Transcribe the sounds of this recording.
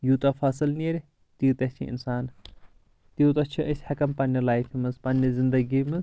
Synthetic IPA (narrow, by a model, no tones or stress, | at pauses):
jut̪ɐfaːsɨlneɾʲ | t̪it̪ɐt͡ʃʰḭʔḭnsaːn | t̪iut̪ɐt͡ʃʰɐʔəsʲhɐkɐmpɐnʲːɐlaːjfimɨzpɐnʲːɐzɨnd̪ɐɡimɨz